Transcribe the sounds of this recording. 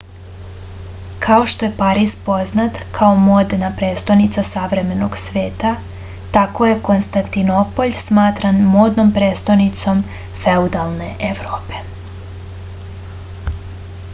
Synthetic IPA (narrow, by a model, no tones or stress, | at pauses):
kʰao̞ʃt̪o̞je̞paɾispo̞znat̪kʰaomoːd̪napɾeːst̪ojnit̪sasaʋɾe̞me̞noɡsʋe̞ːt̪a | t̪ako̞je̞ko̞nst̪ant̪inopo̞ʎsmaːt̪ɾanmoːd̪no̞mpɾeːst̪ojnit̪so̞m | feud̪alˠne̞ʔeʋɾoːpe̞̥